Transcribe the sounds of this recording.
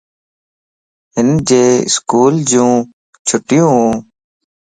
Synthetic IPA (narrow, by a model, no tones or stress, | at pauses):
ɦɪnd͡ʒeːɪ̰skuːld͡ʒũː | t͡ʃʰʊʈɪjũːɦũː